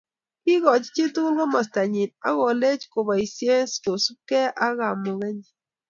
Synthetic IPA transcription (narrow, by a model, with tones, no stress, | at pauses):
kɪ˦ɣɔ˨t͡ʃt͡ʃi˦tu˦lɡɔ˦ma˨sta˨ɲi˨na̰˦ɣɔ˨le˦t͡ʃko˨ba˨i˨sje˦sko˨su˦kɛ˦ʔa˦ɣa˨mɔ˨ɣɛ˦ɲ˨